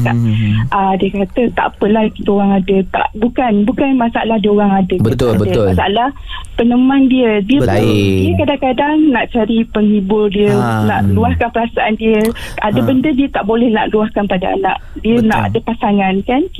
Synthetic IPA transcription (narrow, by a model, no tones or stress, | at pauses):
t̪a̰ʔʔadiəkat̪ət̪a̰ʔpəlahkit̪əoɾaŋadət̪a̰ʔbukanbukanmasaa̰lahdiəoɣaŋadəkat̪ːədəmasaalah | pənəmandiədiədiəkadaŋkadaŋnaʔt͡ʃaɾipəŋibʊrdiəna̰ʔluahkanpəɾasaʔandiəadəbəndədiət̪aʔbolɛhna̰ʔluahkanpadaa̰na̰ʔ̚ | diəna̰ʔa̰dəpasaŋankan